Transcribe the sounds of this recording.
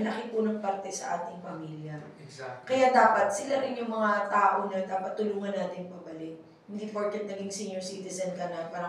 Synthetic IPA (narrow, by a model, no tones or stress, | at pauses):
lɐkɪpunɐɡ̚pɐɾt̪ɛsɐ̰ʔaːt̪ɪŋpɐmiːljɐ | kɐjad̪aːpɐt̪̚sɪlaɾɪnjʊŋmɐŋat̪aːʔoɲɐd̪aːpɐt̪̚ːʊluːŋɐnːaːt̪ɪŋpɐbɐlɪt̪̚ | hɪnd̪iːfoɹt̪ɛnd̪ɐlɪŋsiːɲjoɹsiːt̪ɪzɐnkɐnɐpaːɾa